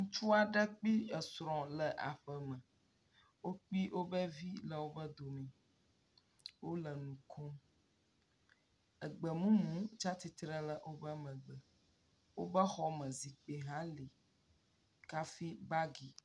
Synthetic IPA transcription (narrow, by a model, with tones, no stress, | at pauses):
ŋũ˦t͡ʃu˦a˨ɖɛ˦k͡pi˦ə˨sɾɔ̃˨lə˨ʔa˨ɸə˨mə̃˨ | wo˦k͡pi˦wʔo˦bə˦vi˦lə˨wo˦bə˦d̪o˨mĩ˨ | wo˦lə˨nũ˨kʰɔ̃˦ | ə˨ɡ͡bə˨mũ˦mũ˦t͡ʃa˦t̪i˨t̪ɾə˦lə˨ʔo˦bə˦mə̃˨ɡ͡bə˨ | wo˦bə˦xɔ˦mə̃˨zi˨k͡pe˨ɦã˦li˨ | ka˦fi˦ba˦ɡi˨